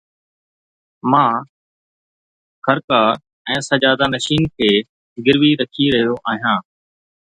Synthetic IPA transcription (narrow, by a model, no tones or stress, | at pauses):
mãː | xʰəɾkaː | ɛ̃ːsɐd͡ʒaːd̪anɐʃiːnkʰeː | ɡɪɾʋiɾɐkʰiɾɐɦijoʔaːɦijãː